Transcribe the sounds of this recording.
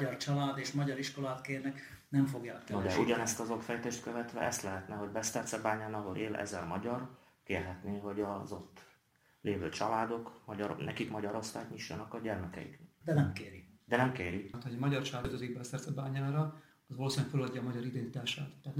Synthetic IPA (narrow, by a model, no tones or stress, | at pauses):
ɟɒrt͡ʃɒlaːd̪eːʃmɒɟɒɾiʃko̞laːt̪keːrnɛk | nɛmfo̞ɡjaːknoɛuɟɒnɛst̪ɒzokfɛjt̪eːʃt̪køvɛt̪ʋɛ̰ʔɛst̪lɛɦɛt̪nɛɦo̞ɟbɛst̪ɛrt̪sɛbaːɲaːnɒɦoɾʔeːlʔɛ̰zɛlmɒɟɒr | keːrɦɛt̪neːɦo̞ɟɒzot̪ː | leːvøːt͡ʃɒlaːd̪o̞kmɒɟɒɾnɛ̰kikmɒɟɒɾo̞st̪a̰ːkɲiʃːɒ̰nɒkɒɟɛrmɛkɛ̰ḭkd̪ɛnɛmkeːɾid̪ɛnɛmkeːɾit̪hoɟɒmɒɟɒrt͡ʃɒlaːd̪zøziɡbɛst̪ɛrt̪sɛbaːɲaːɾɒ | ɒzʋɒloːsenɲɛkfølɒɟːɒːmɒɟɒɾid̪ɛnit̪aːʃaːt̪t̪ːaːt̪n